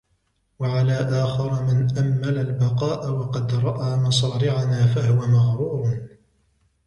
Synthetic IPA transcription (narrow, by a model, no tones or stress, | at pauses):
waʕalaːʔaːxɪɾˤmɪnʔamːalalbɑqɑːʔawɑqɑd̪ɾˤɑʔaːmɑsˤɑːɾɪʕanaːfahʊwamaɣɾuːɾ